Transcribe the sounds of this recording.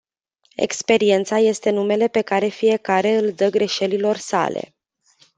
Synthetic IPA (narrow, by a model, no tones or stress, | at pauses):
e̞̰kspe̞ɾie̞nt̪saje̞st̪e̞nume̞le̞pe̞kaɾe̞fije̞kaɾe̞ɨld̪əɡɾe̞ʃe̞lilo̞rsa̰le̞̰